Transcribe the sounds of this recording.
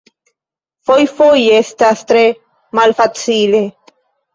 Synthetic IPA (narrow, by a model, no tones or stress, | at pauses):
fojfoje̞stastɾe̞ | malfat͡sile̞